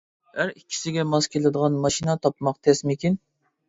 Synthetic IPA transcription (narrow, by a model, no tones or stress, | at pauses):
hæɾikʲʰːi̥sɪɡʲɛmɑskʲʰelˠɨd̪əʁɑnmɑʃinɑt̪ʰɑpmɑqt̪ʰɛsmɪkʲin